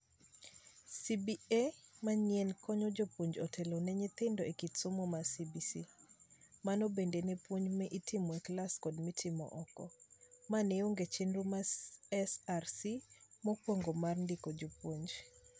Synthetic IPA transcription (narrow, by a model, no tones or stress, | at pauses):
sibiemaɲɪɛnkɔɲɔd͡ʒopoɲd͡ʒɔtʰelonɛɲɪt̪ɪndɔekitsomomasibisi | manobendenepwoɲmɛʔitɪmɔeklaskɔdmitʰɪmɔ̰ʔɔkɔ̰manɛoŋɡet͡ʃɪnɾumaɛsarsimɔkwoŋɡomarndɪkod͡ʒopwoɲd͡ʒ